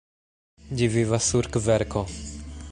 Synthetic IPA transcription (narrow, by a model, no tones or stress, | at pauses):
d͡ʒivivasuɾkvɛɾkʰɔ